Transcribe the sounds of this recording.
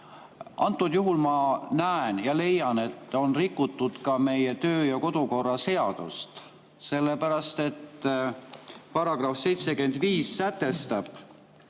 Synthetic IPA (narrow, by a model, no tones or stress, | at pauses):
ʔɑ̰nt̪ːˑud̪juɦulmɑnæenjɑle̞jɑne̞t̪ːˑo̞nrikːˑut̪ːˑud̪̥kɑme̞jet̪øːjɑko̞d̪̥uko̞rːɑse̞ɑd̪̥ṵst̪ | se̞lːepæɾɑst̪e̞t̪ː | pɑɾɑɡ̥rɑfse̞jt̪se̞ke̞nd̪̥viːsːæt̪ːe̞st̪ɑb̥